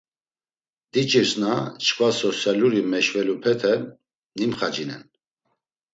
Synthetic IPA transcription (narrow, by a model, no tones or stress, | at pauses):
d̪̥it͡ʃʼiɾsnat͡ʃʰkvasɔsjaluɾimɛʃvɛlupʰɛt̪ʰɛ | nimχad͡ʒinɛn